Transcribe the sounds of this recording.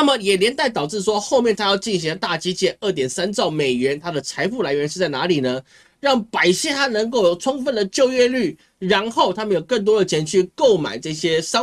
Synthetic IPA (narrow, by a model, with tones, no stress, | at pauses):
a˥˩mə˨jɛ˨˩ljɛ˧˥nt̪a˥˩ɪt̪ɑ˨˩ʊʈ͡ʂɻ̩˥˩ʂwɔ˥xo˥˧mjɛ˥˩˨nt̪ʰa˥jɑ˥˧ʊt͡ɕi˥˩nɕ̬i˧ŋlə˧˩t̪a˥˩t͡ɕi˥t͡ɕjɛ˥˩ʔə˥˩t̪̬jɛ˨˩nsa˥nt͡sɑ˥˩ʊme˨˩ɪɥɛ˧˥nt̪ʰa˥d̪ə˨t͡sʰa˧˥ɪfu˥˩la˧˥ɪɥɛ˧˥nʂɻ̩˥˧t͡sa˥˩ɪna˧˥li˨˩nə˦ | ɻɑ˥˩ŋpa˨˩ɪɕɛ˥t̪ʰa˥nə˧˥ŋko˥˩ʊjo˨˩ʊʈ͡ʂʰʊ˥ŋfə˥˧˩nd̪ə˩t͡ɕjo˥˧ʊɥɛ˥ly˥˩ | ɻa˧˥nxo˥˩ʊt̪ʰa˥mə˧njo˨˩ʊkə˥˩ŋt̪wɔ˥d̪ə˨t͡ɕʰjɛ˧˥nt͡ɕʰy˥˧ko˥˨˩ʊma̰˨˩ɪʈ͡ʂɤ˥˩ɕjɛ˥ʂɑ˥